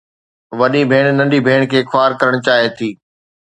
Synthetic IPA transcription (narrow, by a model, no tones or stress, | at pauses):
ʋɐɗibʱeːɽ̃nɐ̃nɖibʱeːɽ̃kʰeːkʰaːɾkɐɾəɽ̃t͡ɕaːɦet̪ʰiː